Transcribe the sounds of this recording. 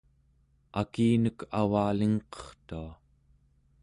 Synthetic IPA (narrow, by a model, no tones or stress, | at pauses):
akiːnəkavaːliŋqʌ̥χt̪ua